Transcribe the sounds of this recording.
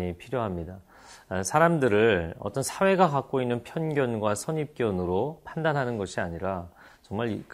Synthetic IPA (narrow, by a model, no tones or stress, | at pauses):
ɲipʰiɾjoɦamɲida | sʰaɾamdɯɾɯɭʌ̰t͈ʌnsʰawe̞ɡakak̚k͈oinːɯnpʰjʌnɡjʌnɡwasʰʌɲip̚k͈jʌnɯɾopʰandanɦanɯnɡʌɕʰiaɲiɾa | t͡ɕʌŋmaɭik